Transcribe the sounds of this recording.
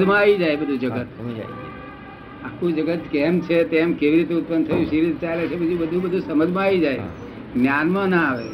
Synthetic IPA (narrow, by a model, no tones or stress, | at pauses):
d͡ʒmãaid͡ʒaebəd̪ʱũd͡ʒəɡət̪ | akʰũd͡ʒəɡət̪kemt͡ʃʰet̪emkeʋiɾit̪eʊt̪̚pənt̪ʰəjũʃiɾit̪t͡ʃajlet͡ʃʰebid͡ʒũbəd̪ʱũbəd̪ʱũsəməd͡ʒʱmãːid͡ʒae | ɡnjanmãnãaʋḛ